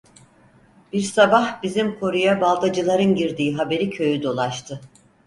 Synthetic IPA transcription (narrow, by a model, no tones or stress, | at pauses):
b̥iɾsabahbizimkʰo̞ɾujabalˠd̪ad͡ʒɯlˠaɾɯnɟiɾd̪iːɦabe̞ɾicʰø̞jyd̪o̞lˠaʃt̪ʰɯ